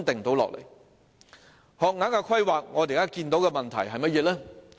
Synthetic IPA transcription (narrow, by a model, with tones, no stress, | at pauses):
t̪ɪ˨ŋt̪o˨˧˥wlɔ̰ː˨k̚lḛ˨˩j | hɔː˨k̚naː˨˥kaː˧kʰɐ˥jwaː˨k̚ŋɔː˨˧t̪i˨˩kaː˥kiː˧nt̪o˨˥wkɛː˧mɐ˨nt̪ʰɐ̰˨˩jɦɐ˨jmɐ˥t̚jɛː˨˧lɛː˥